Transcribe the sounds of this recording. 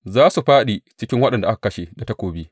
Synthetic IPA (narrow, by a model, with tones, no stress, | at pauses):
zaː˦su˨ɸaː˦ɗiː˨t͡ʃɪ˦kʲɪ˦ŋwɐ˦ɗɐ˨nda˨ʔa˦kḁ˨kɐ˦ʃe˨da˨ta˦kʷoː˨bi˦